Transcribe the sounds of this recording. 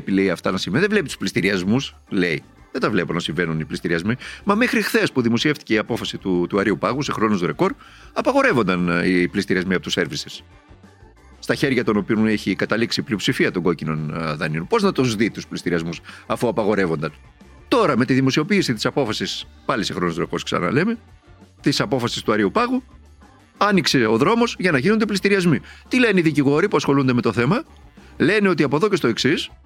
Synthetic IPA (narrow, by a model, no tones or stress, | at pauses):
epile̞jɐft̪ɐnɐsiɱvenðevle̞pit̪u̥splist̪iɾiɐzmus | le̞i | ðet̪ɐvle̞ponɐsiɱve̞nuniplist̪iɾiɐzmimɐmexɾixθe̞spuðimo̞sie̞ft̪i̥ceiɐpo̞fɐsit̪ut̪uɐɾiupɐɣuse̞xɾo̞nust̪uɾe̞ko̞ɾ | ɐpɐɣo̞ɾe̞vo̞nd̪ɐniplist̪iɾiɐzmiɐpo̞t̪use̞ɾvises | st̪ɐçe̞ɾʝɐt̪o̞no̞pioneçikɐt̪ɐliksipliopsifiɐt̪o̞ŋɡo̞cino̞nðɐnionpo̞znɐt̪uzðit̪usplist̪iɾiɐzmusɐfuɐpɐɣo̞ɾe̞vo̞nd̪ɐn | t̪o̞ɾɐme̞t̪iðimo̞sio̞piːsit̪isɐpo̞fɐsispɐlisexɾo̞nozɾoko̞sksɐ̰nɐ̰le̞me̞ | t̪isɐpo̞fɐsi̥st̪uɐɾiupɐɣu | ɐnikse̞o̞ðɾo̞mo̞zʝɐnɐʝino̞nd̪eplist̪iɾiɐzmit̪ile̞neiðiciɣo̞ɾipuɐsxo̞lund̪eme̞t̪o̞θe̞mɐ | le̞neo̞t̪̬iɐpo̞ðo̞cest̪o̞e̞ksis